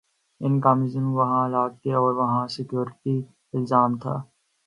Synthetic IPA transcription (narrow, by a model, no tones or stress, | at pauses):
ɪnkaːmɪzənuʋɐɦãlaːɡ̚t̪eɔːɾʋɐɦãsɪkjoːɾɪʈi | ɪlzaːmt̪ʰa̰ː